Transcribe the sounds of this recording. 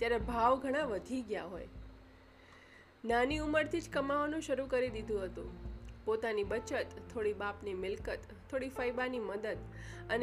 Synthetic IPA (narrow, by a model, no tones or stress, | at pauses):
t̪jaɾebʱaʋɡʱəɽ̃aʋəd̪ʱiɡja̰ɦo̰j | naniuməɾt̪ʰid͡ʒkəmaʋanũʃəɾũkəɾid̪id̪ʱũɦət̪ṵ̃pot̪anibət͡ʃət̪t̪ʰːoɽibapnimɪlkət̪ʰːoɽifəjbaniməd̪əd̪ən